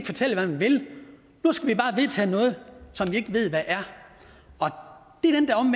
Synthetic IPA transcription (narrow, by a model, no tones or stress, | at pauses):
ɡ̥əfɒ̽t͡sʰel̰əʋæmænʋe̝l | nusɡ̥æʋib̥ɑ̈ːʋe̝ðˠt͡sʰɛ̰ːnɔ̽ːð̞̩ˠsɒ̽mʋie̝ɡ̥əʋe̝ð̞̰ˠʋæʔæɐ | ʔɒ̽d̥e̝æɐd̥end̥æɒ̽me